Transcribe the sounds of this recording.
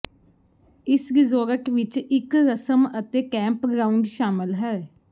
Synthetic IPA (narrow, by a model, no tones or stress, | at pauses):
ɪsɡɪzoːɾəʈʋɪt͡ʃɪkɾəsəmət̪eːkɛ̃ːmpɡɾaːuɳɖʃaːmɪlɦɛː